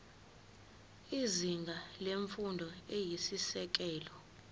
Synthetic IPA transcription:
iziŋɡʱaleɱfundʱɔejisisɛk̬ʼɛːlɔ

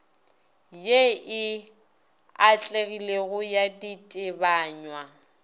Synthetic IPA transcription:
jeɪ | at͡ɬʼeɣileɣʊjaditʼɪbaːɲwa

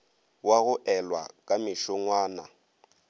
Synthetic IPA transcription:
waɣʊʔɛlwa̰kʼamɪʃɔŋwaːna̰

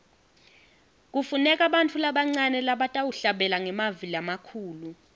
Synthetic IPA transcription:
k̬ʼufunɛk̬ʼaɓantʰulaɓaŋ͡ǀanɛlaɓatʼawuɬaɓɛlaŋɛmaviliamakʰuːlu

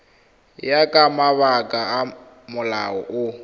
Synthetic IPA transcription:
jakʼamaβakʼaː | mʊla̰ɔ̰ʔʊ

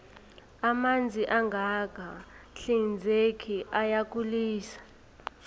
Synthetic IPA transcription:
amand͡zʱiʔaŋɡʱakaɬind͡zʱekʰiʔajak̬ʼuliːsḁ

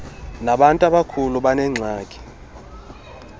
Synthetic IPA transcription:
naɓantʼaɓakʰuluɓanɛŋ͡ǀʱaːkʼi̥

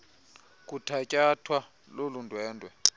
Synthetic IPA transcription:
k̬ʼutʰacʼatʰwa | lolundʱwɛːndʱʼwɛ

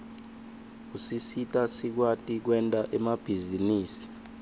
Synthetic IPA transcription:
usisitʼasik̬watʼik̬wɛntʼaʔɛmab̥ʱiziniːsi̥

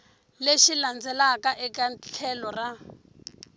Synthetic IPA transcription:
leʃiland͡zɛlakaʔɛkat͡ɬʰɛlɔra

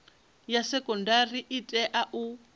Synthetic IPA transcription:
jasɛkʼɔndariʔitʼɛʔaʔu

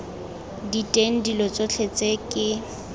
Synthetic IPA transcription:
ditʼeŋ̩dilɔt͡sʼot͡ɬʰet͡sʼekʼɪ

